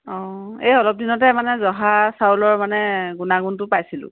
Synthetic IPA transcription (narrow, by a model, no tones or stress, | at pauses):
ɔejɔlɔp̚dinɔtɛmanɛzɔɦasaulɔɹmanɛɡunaɡuntʊpajsilʊ̰̃